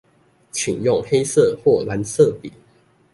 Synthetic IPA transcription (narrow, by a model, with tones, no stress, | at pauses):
t͡ɕʰi˨˩ŋjʊ˥˨ŋxe˥˦ɪsə˥˨xwɔ˥˩la˨˦nsɤ˥˨pḭ˨˩˦